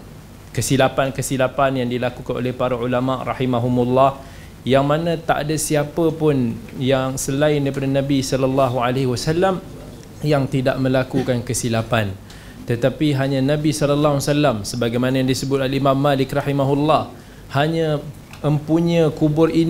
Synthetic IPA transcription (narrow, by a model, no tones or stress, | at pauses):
kəsilapankəsilapanjaŋdilakukanʔo̰lɛhpaɾaulamaʔrɑħimaɦumulːɑh | jaŋmanãt̪aʔa̰dasiapəpʊnjaŋsəlaɪndaɾipadanãbisɔlɔlːɑɦuʕaleɦwasalːam | jaŋt̪idaʔmə̃lakukankəsilapan | t̪ət̪apiɦaɲãnãbisɔlɔlːaɦuasalamsəbaɡajmanajaŋdisəbʊt̪̚alimãmːalɪkrɑħimaɦulːɑh | haɲã | əmpuɲə̃kubʊrin